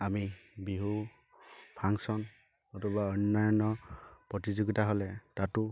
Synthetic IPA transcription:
amibiɦu | pʰaŋsɔn | ɔtɔbaɔjnːɔjɔnɔpɹɔtizuɡitaɦolɛtatʊ

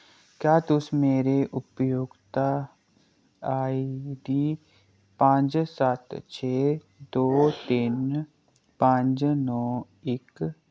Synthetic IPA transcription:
kjaːt̪ʊsmeːɾeʔʊpjoːɡt̪a | aːid̪iː | pə̃ɲd͡ʒsət̪t͡ʃʰeː | d̪oːt̪ɪn | pə̃ɲd͡ʒnɔː | ɪk

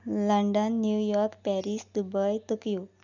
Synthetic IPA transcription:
ləɳɖənːjujɔɾkpɛɾisd̪ubəjt̪okijo

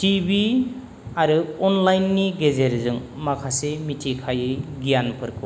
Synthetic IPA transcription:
tibi | aɾɯɔnlajnːiɡezeɾzɯŋmakʰasemitʰikʰajɯɡijanpʰɯɾkʰɯ

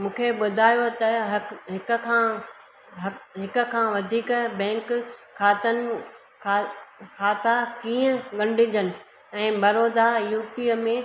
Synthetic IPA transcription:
mũːkʰeɓʊd̪ʱaːjot̪ɐɦɦɪk̆kʰãː | ɦɦɪkə̆kʰãːʋɐd̪ʱiːkbɛ̃ːŋkʰː | aːt̪ənɪ | kʰkʰaːt̪akiːə̃ɠɐ̃ɳɖʱɪ̃̆d̪ənɪ̆ | ɛ̃ːbɐɾoːd̪ajuːpiəmẽ

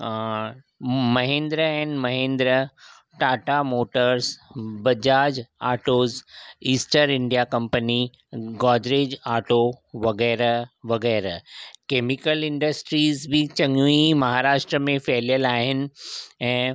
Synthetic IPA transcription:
mɐɦẽːnd̪ɾəɛ̃ːnmɐɦẽːnd̪ɾə | ʈaːʈamoːʈəɾsbɐd͡ʑaːd͡ʑaːʈoːziːsʈəɾɪ̃ɳɖijakɐ̃mpəni | ɡɔːd͡ʑɾeːd͡ʑaːʈoʋɐɣɛːɾʋɐɣɛːɾkeːmɪkəlɪ̃ɳɖəsʈɾiːzbʱɪt͡ɕɐ̃ŋuimɐɦaːɾaːʃʈɾəmẽfeːlijəlaːɦɪnɪ̆ɛ̃ː

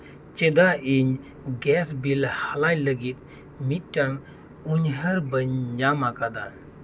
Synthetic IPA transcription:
t͡ʃed̪aiɲ | ɡɛsbilhalajləɡit̪ | miʈːaŋ | uɲɦəɾbəɲd͡ʒamakad̪a

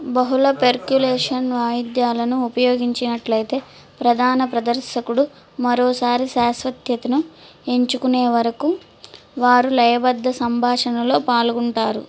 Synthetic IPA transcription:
bɐɦulɐpeɾkjuleːʂɐnʋaːjid̪jaːlɐnuːpɐjo̞ːɡiɲt͡ʃinɐʈlɐjt̪e̞ː | pɾɐd̪ʱaːnɐpɾɐd̪ɐɾʃɐkuɽu | mɐɾoːsaːɾiʃaːsʋɐt̪jɐt̪inu | e̞ɲt͡ʃukuneːʋɐɾɐku | ʋaːɾulɐjɐbɐd̪ʱːɐsɐmbʱaːʂɐnɐlo̞ːpaːlɡuɳʈaːɾṵ

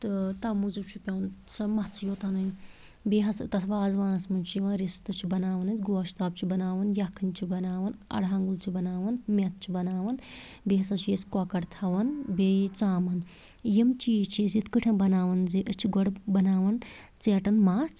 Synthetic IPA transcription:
t̪ɨt̪ɐmuzup̚t͡ʃʰipʲɐwnt͡sɐmɐt͡sʰjoːt̪anɨ | beːɦɐst̪ɐt̪ʰʋaːzʋaːnɐsmɐnt͡ʃʰiʋãːɾist̪ɨt͡ʃʰibɐnaːʋɐnɨt͡sʲɡoːaʃʰt̪aːb̚t͡ʃʰibɐnaːʋɐnjakʰɨnt͡ʃʰibɐnaːʋɐnɐ̰ɽɦãːŋɡult͡ʃʰibɐnaːʋɐnmʲet̪̚t͡ʃʰibɐnaːʋɐn | beːɦɐsɐt͡ʃʰjeskwakɐɽt̪ʰɐʋɐnbejt͡saːmɐn | jimt͡ʃit͡ʃʰesit̪ʰkɨʈʰɐ̃bɐnaːʋɐnziʔɨt͡ʃʰiɡoɽbɐnaːʋɐnt͡seːʈɐnmaːt͡s

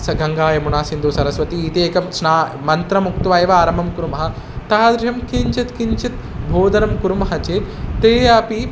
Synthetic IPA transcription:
sɐɡʱɐŋɡaːjɐmunaːsind̪uːsɐɾɐsʋɐt̪iːt̪eːkɐmsnaːmɐnt̪ɾɐmuk̚t̪ʋaːjeːʋaaːɾɐmɐmkuɾumɐɦɐ̆ | t̪aːd̪ɾjɐmkiɲt͡ʃɐt̪kiɲt͡ʃit̪̚ | bʱoːd̪ɐɾɐmkuɾumɐɦɐt͡ʃeːt̪t̪eːjaːpi

